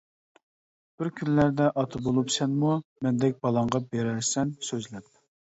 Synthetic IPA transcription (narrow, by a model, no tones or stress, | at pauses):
b̥ɪɾkʲʰynlæɾd̪ɛʔɑt̪ʰbolˠupsɛnmumɛnd̪ɛk̚ʲb̥ɑlˠɑɴʁɑbeɾæɾsɛnsøzlæp̚